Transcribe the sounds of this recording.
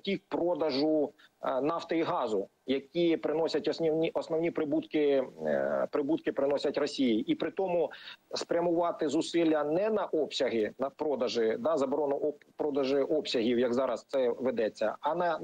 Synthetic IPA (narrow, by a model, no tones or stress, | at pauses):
tʲikpɾɔd̪ɐʒʊnɑft̪ɔiɦɑzʊ | jɐkʲipɾɪnɔsʲɐtʲɔsnʲiwnʲiʔɔsnɔwnʲipɾɪbut̪kɪ | pɾɪbut̪̚kɪpɾɪnɔsʲɐtʲrɔsʲijiʔipɾɪt̪ɔmʊspɾʲɐmʊʋɑt̪ɪzʊsɪlʲːɐnɛnɐʔɔpsʲɐɦɪnɐpɾɔd̪ɐʒɪd̪ɑzɐbɔɾɔnʊʔɔpɾɔd̪ɐʒɪʔɔpsʲɐɦʲiwjɐɡzɑɾɐst̪sɛʋɪd̪ɛt͡sʲːɐ̰ɐnɐ